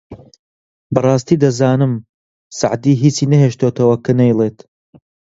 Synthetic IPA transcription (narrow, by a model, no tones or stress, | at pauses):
bɐrˤɑːst̪iːd̪ɐzaːnɨm | sa̰ʕd̪iːɦiːt͡siːnɐɦeʃt̪oːt̪ɐwɐkʰɐnejlˠeːt̪